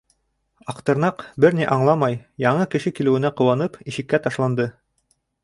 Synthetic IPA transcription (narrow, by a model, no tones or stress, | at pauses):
ɑqt̪ɤ̆ɾnɑqbɘɾnʲiʔɑɴlˠɑmɑjjɑɴɤkɘ̆ʃɘkilɘ̆wɘ̆næqŏwɑnɤpiʃɘ̆kːæt̪ɑʃlˠɑnd̪ɤ